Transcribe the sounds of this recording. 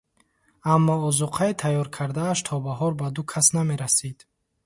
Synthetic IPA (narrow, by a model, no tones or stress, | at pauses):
amːɔɔzuqʰait̪ʰajɔɾkʰaɾd̪aːʃt̪ʰɔbaɦɔɾbad̪ukʰasname̞ɾasid̪̥